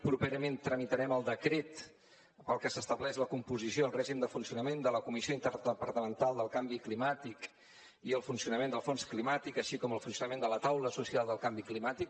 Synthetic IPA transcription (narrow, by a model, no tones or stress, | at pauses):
pɾupeɾəment̪ɾəmit̪əɾɛməlˠd̪əkɾet̪ | pəlˠkəsəst̪əβlɛʃləkumpuzisjoəlˠrɛʒimd̪əfunsiunəmend̪ələkumisioint̪əɾd̪əpəɾt̪əmənt̪alˠd̪əlˠkambiklimat̪ik | iəlˠfunsiunəmẽnd̪əlˠfonsklimat̪ikəʃikɔməlˠfunsjunəmend̪ələt̪awləsusialˠd̪əlˠkambiklimat̪ik